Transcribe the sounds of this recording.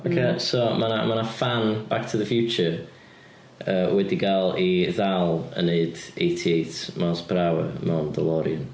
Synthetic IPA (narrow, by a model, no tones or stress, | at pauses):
okʰeːsɔmana̰manafanb̥ak̚tʰəðəfjut͡ʃə | əːwɛdiɡalˠiðalˠə̰neɨdejtʰiejtmasb̥ɾawə̰mawndəlˠɔɾiən